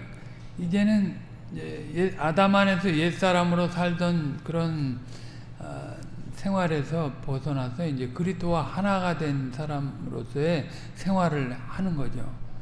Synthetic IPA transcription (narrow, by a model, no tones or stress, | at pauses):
id͡ʑe̞nɯn | ejeadamane̞sʰʌje̞s͈aɾamɯɾosʰaɭdʌnkɯɾʌn | sʰe̞ŋɦwaɾe̞sʰʌpʌsʰʌnasʰʌind͡ʑe̞kɯɾistʰowahanaɡadwe̞nsʰaɾamɾo̰s͈ʰʌe̞ | sʰe̞ŋɦwaɾɯɭhanɯnɡʌd͡ʑo̰